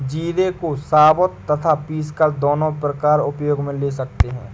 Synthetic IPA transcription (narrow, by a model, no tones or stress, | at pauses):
d͡ʒiːd̪ekosaːbət̪ːɐt̪ʰapiːskad̪oːnõpɾəkaːɾʊpjoːɡmẽleːsɐk̚t̪eɦɛ̰̃ː